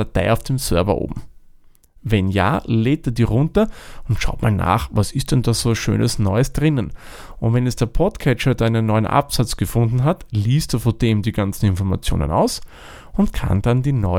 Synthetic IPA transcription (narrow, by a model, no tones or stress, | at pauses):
atʰaɪaʊfd̥eːmsœɐvɐ̰ʔo̰ːbm̩ | vɛnja̰ːleːt̚d̥eɐdiːʁʊ̃ntɐʊntʃa̰ʊtmaːlna̰ːχvasɪst̚d̥ɛndaz̥oːʃø̰ːnʔəsnɔʏəsd̥ʁɪnən | ʔʊntvɛnɛsd̥eːɐpʰɔtkʰɛt͡ʃɐdaɪnənːɔʏənʔa̰psat͡sɡ̥əfʊ̃ndn̩ɦatliːstd̥uːfod̥eːmdiːɡant͡sn̩ɪnfɔɐma̰t͡sjo̰ːnə̰na̰ʊs | ʊntkʰa̰nd̥andiːnɔ